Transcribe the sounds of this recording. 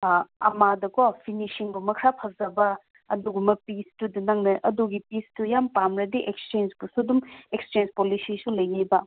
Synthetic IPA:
ɐ̰madɐkopʰinisiŋbumɐkʰɾapʰɐzɐbɐ | ɐ̰duɡumɐpistudɐnɐŋnɐʔɐduɡipistujampamɾɐdiʔek̚st͡ʃend͡ʒbusudumek̚st͡ʃend͡ʒpolisisulɐjɡibɐ

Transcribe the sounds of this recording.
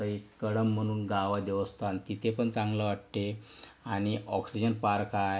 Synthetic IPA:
əɦikəɽəm̤ːəɽ̃uːnɡaʋad̪eʋəst̪ant̪it̪ʰepəɳt͡sãŋɡləʋaʈʈ̪eaɽ̃iɔksid͡ʑənpaɾkaj

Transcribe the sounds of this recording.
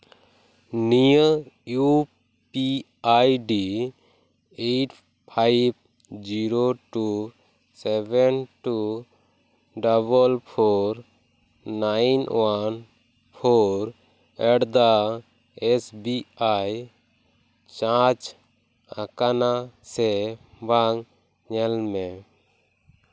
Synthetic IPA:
niəju | pi | ajɖi | eʈ | pʰajb̚ | d͡ʒiɾoʈu | sɛbɛnʈu | ɖaβəlpʰoɾː | ajnwan | pʰɔɾ | ɛɽd̪a | ɛsbiaj | t͡ʃãt͡ʃ | ã̰kanasɛbaŋ | ɲɛlmɛ

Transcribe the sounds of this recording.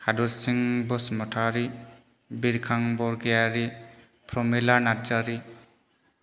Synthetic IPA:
hadɔɾsiŋbɔsmɔtʰaɾi | biɾkʰaŋbɔɾɡejaɾi | pʰɾɔmilanaɾd͡ʒaɾi

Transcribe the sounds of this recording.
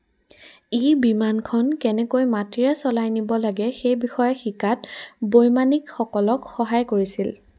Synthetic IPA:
ibimankʰɔnkɛnɛkojmatiɹɛsɔlajnibɔlaɡɛxejbixɔjaxikatbojmanikxɔkɔlɔkxɔɦajkoɹisil

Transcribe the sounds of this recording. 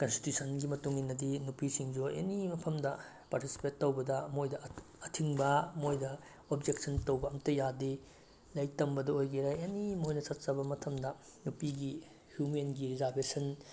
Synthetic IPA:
kɐnsti̥tjusʰɐnɡimɐtuŋinːɐdinupisiŋd͡ʒuḛnimɐpʰɐmdɐ | paɾtisi̥petːowbɐdɐmojdɐ | ɐtʰiŋbɐmojdɐ | ob̚d͡ʒek̚sʰɐntowbɐɐmtɐjade | lɐjk̚tɐmbɐdɐojɡiɾaenimojnɐsɐtt͡ʃɐbɐmɐtʰɐmdɐ | nupiɡi | hjumenɡiɾizaɾbesɐn

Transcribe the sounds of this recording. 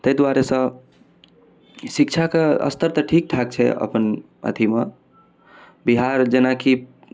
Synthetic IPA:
t̪əjd̪waɾesə̃ | sik̚t͡ʃʰakeə̰st̪əɾt̪əʈʰik̚ʈʰak̚t͡ʃʰɛ̰ə̰pən | ə̰d̪ʰʱime | biɦaɾd͡ʒenaki

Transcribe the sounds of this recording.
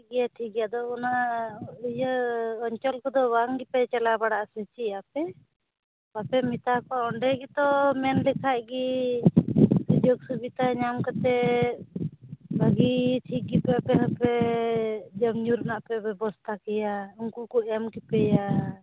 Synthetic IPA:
ɡɛjaʈʰik̚ɡɛjad̪ɔɔnaʔijəɔɲt͡ʃɔlkɔd̪ɔbaŋɡipɛt͡ʃalabaɽaʔsɛt͡ʃiapɛ | bapɛmit̪akɔɔɳɖɛɡɛt̪ɔmɛnlɛkʰaʔɡi | dud͡ʒoɡsubit̪aɲamkɔt̪ɛ | bʱaɡiʈʰik̚ɡipɛapɛapɛ | d͡ʒəmɲuɾnaʔpɛbɛbɔst̪ʰakɛjauŋkukɔɛmkipɛja

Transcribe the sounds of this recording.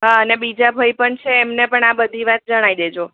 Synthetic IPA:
ɦaənebid͡ʒabʱaipəɳt͡ʃʰeːmnepəɳabəd̪ʱiʋat̪̚d͡ʒəɽ̃aid̪ed͡ʒo

